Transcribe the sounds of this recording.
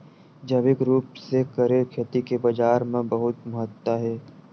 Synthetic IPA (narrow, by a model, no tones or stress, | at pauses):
d͡ʒɐʋɪkɾuːpsekɐɾeɾkʰet̪ikebɐd͡ʒaːɾmẽbɐɦʊt̪mɐɦət̪ːaɦɛː